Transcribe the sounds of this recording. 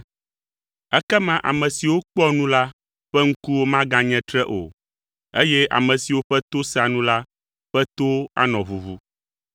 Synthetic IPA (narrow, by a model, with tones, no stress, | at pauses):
ɛ˦kɛ˦mã˦ʔa̰˨mɛ̃˨si˨wo˦k͡pɔ˦nũ˦la˦ | ɸɛ˦ŋ̩˦ku˦wo˦mã˦ɡã˦ɲɛ̃˦t̪ɾɛ˦ʔo̰˨ | e˦jɛ˦ʔa̰˨mɛ̃˨si˨wo˦ɸɛ˦t̪o˦sa˨nũ˦la˦ | ɸɛ˦t̪o˦a̰˦nɔ̃˨βu˨vu˦